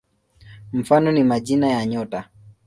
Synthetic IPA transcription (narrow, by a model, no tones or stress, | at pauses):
m̩fanɔnimaʄinajaɲɔta